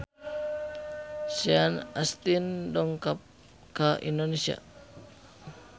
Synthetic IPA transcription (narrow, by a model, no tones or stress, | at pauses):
sianast̪indɔŋkap̚ | kaʔḭndonesia̰